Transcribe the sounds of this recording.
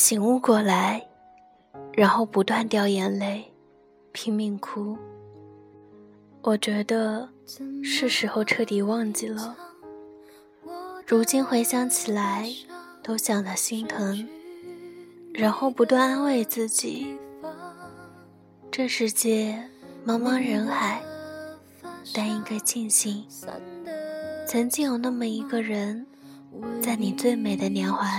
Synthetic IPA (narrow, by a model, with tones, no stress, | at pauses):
ɕi˨˩ŋu˥˧kwɔ˥˩la˧˥ɪ | ɻa˧˥nxo˥˩ʊpu˧˥t̪wa˥˧nt̪jɑ˥˩ʊjɛ˧˥nle˥˩ɪ | pʰi˧˥ŋmi˧˩ŋkʰu˥ | wʔɔ˨˩t͡ɕɥɛ˧˥d̪ə˧ | ʂɻ̩˥˩ʂɻ̩˧˥xo˥˧ʊʈ͡ʂʰɤ˥˩t̪i˨˩˦wɑ˥˧ŋt͡ɕi˥˩lə˩ | ɻu˧˥t͡ɕi˥nxwe˧˥ɪɕjɑ˥ŋt͡ɕʰi˨˩la˧˥ɪt̪o˥ʊɕjɑ˨˩ŋd̪ə˧˦ɕi˥ŋt̪ʰɤ˧˥ŋ | ɻa˧˥nxo˥˩ʊpu˧˥t̪wa˥˧n˥nwe˥˧ɪt͡sɹ̩˥˩t͡ɕḭ˨˩˦ | ʈ͡ʂɤ˥˩ʂɻ̩˧˥t͡ɕjɛ˥˩mɑ˥ŋmɑ˥ŋɻə˧˥nxa˨˩ɪ | t̪a˥ni˥ŋka˥ɪt͡ɕi˥˩nɕi˥ŋ | t͡sʰə˧˥ŋt͡ɕi˥ŋjo˨˩ʊna˥˩mə˩i˧˥ɡə˧ɻə˧˥n | t͡sa˥˩ɪni˨˩t͡swe˥˩ɪme˨˩ɪd̪ə˦njɛ˧˥nxwa˧˥